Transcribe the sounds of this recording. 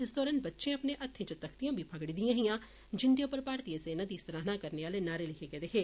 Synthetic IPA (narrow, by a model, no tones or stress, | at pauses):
ɪsd̪ɔːɾənbɐtːʃẽɐpnẽʔɐt̪ʰːẽt͡ʃət̪ɐkʰt̪ijãːbʱipʰɐɡɽid̪ijãːɦijãː | d͡ʒɪnd̪jõpəɾpaːɾt̪ijesenɐd̪ist̪əɾaːɦnakɐɾneaːlenaːɾelɪkʰekɛːd̪eːɦeː